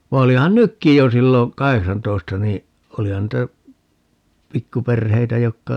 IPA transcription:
ʋɑ olihɑn nykːij jo silːo kɑheksɑntoistɑ ni olihɑn niːtæ pikːuperheitæ jokːɑ

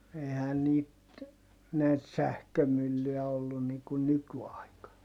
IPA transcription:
ehæn niːt næit sæhkømylːyj̆æ olːun niŋ kun nykyɑikɑn

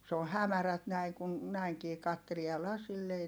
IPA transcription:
s oːh̆ hæmæræt næi kun næiŋkiː kɑtːelie jɑ lɑsilː ei

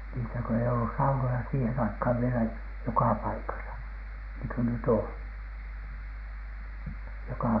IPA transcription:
niːsæ kø ei oll̥us sɑunojɑ siːhen ɑikhɑˑʋ ʋielæ jokɑ pɑikɑsɑ niŋky nyt oˑn jokɑˑ

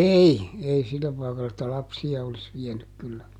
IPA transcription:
ei ei silːæ pɑˑikɑlː etːæ lɑpsiɑ olis ʋiɛnyk kylːæ

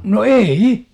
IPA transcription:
no eii

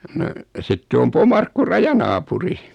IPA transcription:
no sitːe om pomɑrkːu rɑjɑnɑːpuri

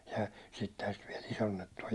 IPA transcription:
jɑ sitːehæn sit ʋiɛl isonːetːu o

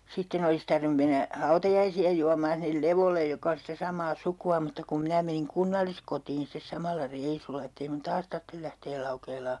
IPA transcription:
sitːen olis tɑrʋĭnu menːæ hɑutɑjɑisiɑ juɑmːɑːn sinːel leʋolːej jokɑ on̞ sitæ sɑmˑɑː sukuɑ mutːɑ kum minæ meniŋ kunːɑlːiskotiːn stes sɑmɑlːɑ reisulːɑ etː ei mun tɑːs tɑrtːel læhteːl lɑukeːlɑː

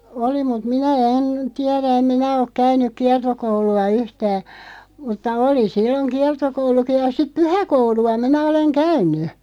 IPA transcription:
oli mut minæ en tiɛræ em minæ ok kæynˑyk kiɑrtokouluɑ yhtæː mutːɑ oli silːoŋ kiɑrtokouluki jɑ sip̆ pyhækouluɑ minæ oleŋ kæynˑy

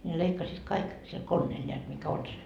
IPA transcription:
ne leikːɑsiːt kɑik sil konːeːl nʲeæt mikæ on se

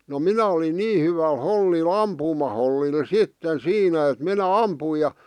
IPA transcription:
no minæ olin niː hyʋæl holːil ɑmpuːmɑholːil sitːen siːnæ et minæ ɑmpui jɑ

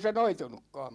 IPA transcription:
se noitunukːɑːm

